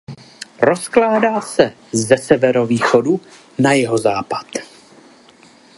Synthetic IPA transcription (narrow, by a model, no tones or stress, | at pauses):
ɾo̞sklaːdaːsɛ | zɛsɛvɛɾo̞viːxodu | najɛɦozaːpḁt̪